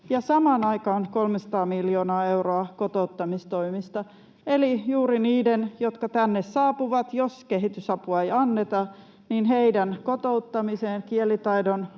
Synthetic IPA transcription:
jɑsɑmɑːnɑikɑːnkolmesɑ̥t̪ɑːmiljoːnɑːeuroɑkot̪out̪ːɑmist̪oimist̪ɑ | elijuːɾiniːdenjot̪kɑt̪ænːessɑːpuʋɑt̪joskeɦit̪ysɑpuɑeiɑnːet̪ɑ | ninheidænkot̪out̪ːɑmiseːnkielit̪ɑidon

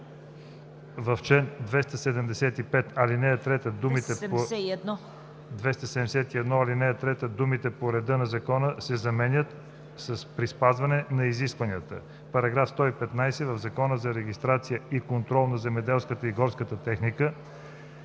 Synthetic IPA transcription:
vɐft͡ʃɛnd̪vɛst̪əsɛd̪ɛmd̪ɛsɛt̪ipɛt̪ɐlinɛt̪ɾɛt̪əd̪umit̪ɛd̪n | d̪vɛst̪əsɛd̪ɛmd̪ɛsɛt̪iɛd̪nɔɐlinɛt̪ɾɛt̪əd̪umit̪ɛpoɾɛd̪ɤnɐzɐkɔnəsɛzɐmɛnʲət̪ | sɐspɾispazvɐnɛnɐiziskvɐniət̪ə̰ | pɐɾɐɡɾafst̪ɔipɛt̪najsɛvɐvzɐkɔnəzɐɾɛɡist̪ɾat̪sijəikont̪ɾɔlˠnɐzɛmɛd̪ɛlˠskət̪əiɡɔɾskət̪ət̪ɛxnikə

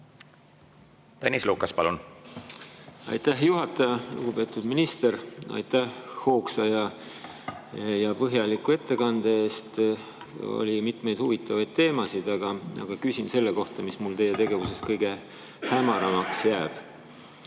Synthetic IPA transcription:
t̪ænʲisluːkɑspɑlun | ɑ̰jt̪æɦjuɦɑt̪ːˑɑjɑlṵɡ̥ube̞ːt̪ˑud̪̥minist̪e̞ɾɑ̰jt̪æhho̞ːksɑjɑ | jɑpɤɦjɑlikːˑue̞t̪ːe̞kɑnd̪̥eeːst̪ | o̰lʲimit̪mejd̪̥huvit̪ːˑɑvɑjd̪̥̚t̪e̞ːmɑsid̪̥ɑɡ̥ɑɑ̰ɡ̥ɑkysʲinse̞lːeko̞ht̪ɑmismult̪e̞jet̪e̞ɡe̞vuse̞skɤjɡ̥e̞ | hæmɑɾɑmɑksjæːb̥

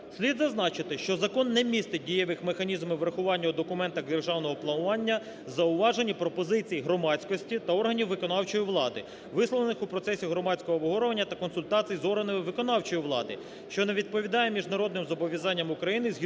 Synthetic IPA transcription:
sʲlʲid̪zɐznɑt͡ʃɪt̪ɪʃt͡ʃɔzɐkɔnːɛmʲist̪ɪdʲijɛʋɪxmexɐnʲizmɪʋɾɐxʊʋɑnʲːɐɔd̪ɔkʊmɛnt̪ɐxd̪erʒɑwnɔɦɔplˠɐnʊʋɑnʲːɐ | zɐʊʋɑʒenʲːipɾɔpɔzɪt͡sʲijɦɾɔmɑt͡sʲkɔsʲtʲit̪ɐɔrɦɐnʲiwːɪkɔnɑwt͡ʃɔjiʋlˠɑd̪ɪ | ʋɪslɔlˠenɪxupɾɔt̪sɛsʲiɦɾɔmɑt͡sʲkɔɦɔːbɔɦɔɾɔʋɐnʲːɐt̪ɐkɔnsʊlʲt̪ɑt͡sʲijizɔrɦɐnɪmɪʋɪkɔnɑwt͡ʃɔjiʋlˠɑd̪ɪ̰ | ʃt͡ʃɔneʋʲid̪̚pɔʋʲid̪ɑjɛmʲiʒnɐɾɔd̪nɪmzɔbɔʋʲjɐzɑnʲːɐmʊkɾɐjinɪzʲɦ

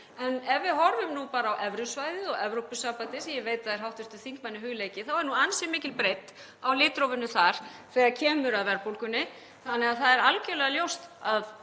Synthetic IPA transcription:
ɛnɛvvɪðɦɔɾvʏmnupaːɾaːwʔɛvɾʏsvajðɪɔɣɛvɾowpʏsaːpat̪ɪsjɛveːjt̪aðɛɾɦawht̪ɪst̪ʏθiŋkmanːɪɦʏɣleːjcɪθawɛɾnuansɪmɪːcɪlpɾejt̪ | awlɪːt̪ɾowvʏnːʏθaɾ̥θɛːɣaðcʰɛːmʏɾaðvɛɾpowlkʏnːɪ | θanːɛɣaðθaðɛɾalcɛlɛɣaljowst̪að

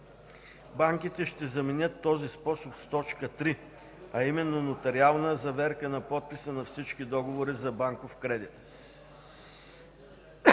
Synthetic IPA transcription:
baŋkit̪ɛʃt̪ɛzɐmɛnʲət̪ːɔzispɔsopst̪ɔt͡ʃkət̪ɾi | ɐimɛnːonot̪ɐɾialˠnəzɐvɛɾkənɐpɔt̪̚pisənɐfsit͡ʃkid̪ɔɡovoɾizɐbaŋkofkɾɛd̪it̪

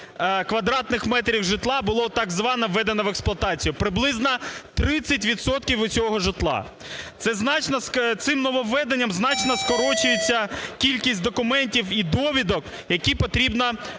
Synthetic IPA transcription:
kʋɐd̪ɾɑt̪nɪxmɛt̪ɾʲiwʒɪt̪lˠɑbʊlˠɔt̪ɑɡzʋɑnɐʋːɛd̪enɐʋeksplˠɐt̪ɑt͡sʲijʊpɾɪblˠɪznɐt̪ɾɪt͡sʲːɐt̬ʲʋʲid̪sɔt̪kʲiwʊsʲɔɦɔʒɪt̪lˠɑ̰ | t̪sɛznɑt͡ʃnɐt̪sɪmnɔʋɔʋːɛd̪enʲːɐmznɑt͡ʃnɐskɔɾɔt͡ʃʊjet͡sʲːɐkʲilʲkʲisʲtʲd̪ɔkʊmɛnʲtʲiwid̪ɔʋʲid̪ɔk | jɐkʲipɔt̪ɾʲibnɐ

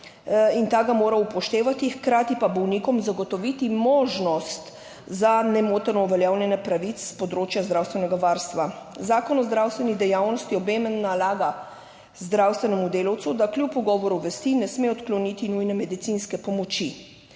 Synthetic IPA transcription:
int̪aːɡamoːɾaupɔʃt̪eːʋat̪ixkɾaːt̪ipabɔwniːkɔmzaɡɔt̪ɔʋit̪imoːʒnɔst̪ | zanɛmoːt̪ɛɾnɔuʋɛljawljɛnɛpɾaʋit̪sspɔd̪ɾoːt͡ʃjazd̪ɾawst̪ʋɛnɛɡaʋaɾst̪ʋazaːkɔnɔzd̪ɾawst̪ʋɛnid̪ɛjaːwnɔst̪jiɔbeːmɛnːalaːɡa | zd̪ɾawst̪ʋɛnɛmud̪eːlɔwt̪sud̪akljupuɡɔːʋɔɾuʋɛst̪inɛsmeɔt̪klɔnit̪inujnɛmɛd̪it̪inskɛpɔmɔt͡ʃi

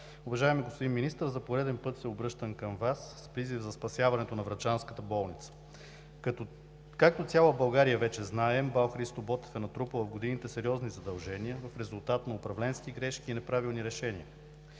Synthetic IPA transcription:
ʊvɐʒaɛmiɡospod̪inminist̪əɾzɐpoɾɛd̪ɛnpɤt̪sɛobɾɤʃt̪ənkəmvasːpɾizivzɐspɐsʲjavɐnɛt̪onɐvɾɐd͡ʒanskət̪əbɔlˠnit̪sə̥ | kak̚t̪ot̪sʲjalˠəbɐlˠɡaɾijəvɛt͡ʃɛznaɛmbawˠxɾist̪obɔt̪ɛ̥fɛnɐt̪ɾupəvɐfɡod̪init̪ɛsɛɾiɔznizɐd̪ɐlˠʒɛniəvɐfɾɛzulˠt̪at̪nɐʊpɾɐvlɛnskiɡɾɛʃkiːnɛpɾavilˠniɾɛʃɛniə

